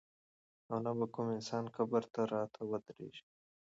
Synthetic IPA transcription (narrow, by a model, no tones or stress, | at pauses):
awnabakumɪnsɑːnxabəɾt̪aɾɑːt̪ʰawɐd̪ɾḛːʃi̥